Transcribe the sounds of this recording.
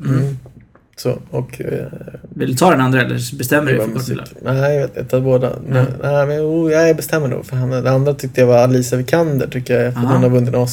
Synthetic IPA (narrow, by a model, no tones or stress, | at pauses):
sɔ̰ɔk | vɪld̪ɵt̪ʰɑːd̪ɛnand̪ɾaɛlːə̰bɛst̪ɛmːɾɔmsḭːknæɪjveːt̪ɪ̰nt̪ad̪boːd̪a̰nɛnæmɛnjuːjabɛst̪ɛmːəɳṵːɡfœɾɦand̪ɛand̪ɾat̪ʰʏk̚t̪əjavaɾaliːsavɪkʰand̪ə̰ʈʰʏk̚t̪əjafd̪ɛnavɵnd̪ɪns